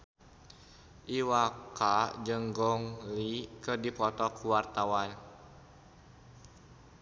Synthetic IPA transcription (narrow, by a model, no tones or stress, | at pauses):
ʔiwakad͡ʒəŋɡɔŋlikərdipɔt̪ɔkʰuwart̪awan